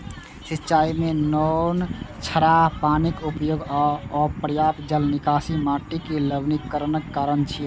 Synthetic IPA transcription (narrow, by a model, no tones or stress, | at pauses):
sitːt͡ʃaimenɔnt͡ʃʰəɾapanikupjoɡaɔpɾəjapd͡ʒəlnikasimaʈikeləbnikːəɾənəkːaɾənt͡ʃʰi